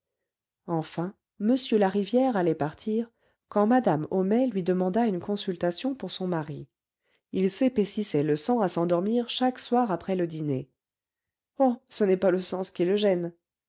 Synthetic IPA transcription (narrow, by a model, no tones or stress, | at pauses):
ɑ̃fɛ̃ | məsjølaʁivjɛʁalɛpaʁt̪ʰiʁ | kɑ̃mad̪amɔmɛlɥid̪əmɑ̃d̪aynkɔ̃sylt̪asjɔ̃puʁsɔ̃maʁi | ilsepesisɛləsɑ̃asɑ̃d̪ɔʁmiʁʃakswaʁapχɛləd̪ine | ɔsənɛpaləsɑ̃skiləʒɛn